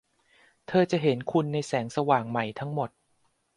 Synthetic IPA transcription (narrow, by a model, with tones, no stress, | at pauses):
t̪ʰɤː˧t͡ɕa˨˩ɦe˩˦nkʰu˧nːa˧jsɛː˩˦ŋsa˧waː˨˩ŋma˨˩jt̪ʰa˦˥ŋmo˨˩t̪̚